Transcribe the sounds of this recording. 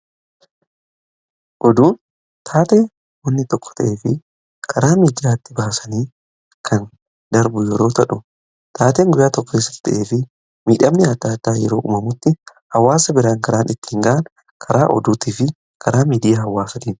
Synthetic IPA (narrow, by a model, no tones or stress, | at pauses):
ʔɔd̪uːn | t̪ʰaːt̪eː | wɔnːɪt̪ɔkːɔ̥t̪ɐʔeːfɪ | kʰɐɾaːmiːd̪jaːt̪ːɪbaːsɐniː | kʰɐn | d̪ɐɾbʊjɛɾo̞ːt̪ɐᶑʊ | t̪ʰaːt̪eːŋɡʊjaːt̪ɔkːɔesɐ̥t̪ɐʔe̞ːfɪ | miːᶑɐmnɪɐd̪ːaːd̪ːaːjɛɾo̞ːʔʊ̰mɐmʊt̪ːɪ | hɐwːaːsɐbɪɾaːŋkɐɾaːnɪt̪ːɪ̥ːŋɡɐʔɐn | kʰɐɾaːʔɔ̰d̪uːt̪iːfɪ | kʰɐɾaːmiːd̪ɪjahɐwːaːsɐt̪iːn